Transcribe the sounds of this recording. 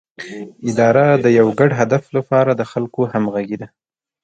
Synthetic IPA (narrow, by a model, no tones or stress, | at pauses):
ɪd̪ɑɾad̪əjawɡaɖɦad̪aflapɑɾad̪əxalkohamɣaɡed̪a